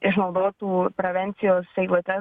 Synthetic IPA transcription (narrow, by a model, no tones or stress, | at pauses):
ɪʃnɐʊd̪oːt̪uːpɾoʋʲɛnʲt̪sʲɪjoːsʲɛɪlˠuːt̪ʲɛ